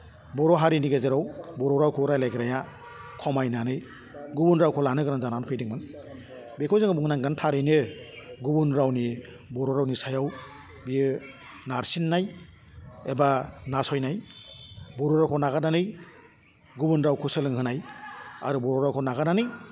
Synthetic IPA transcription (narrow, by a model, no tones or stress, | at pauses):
bɔɾɔɦaɾiniɡezeɾawbɔɾɔwɾawkʰuɾajlajɡɯɾaja | kʰɔmajnanɯj | ɡubunɾawkʰɔlanɯɡɯɾandananpʰejdiŋmɯn | bekʰɔjzaŋabuŋnaŋɡantʰaɾɯjnɯɡubunɾawni | bɔɾɔɾawnisajaw | bijɯ | naɾsinːaj | ebanasɔjnaj | bɔɾɔɾawkʰɔnaɣananɯj | ɡubunɾawkʰuselɯŋɦɯnaja̰ɾubɔɾɔɾawkʰɔnaɡananɯj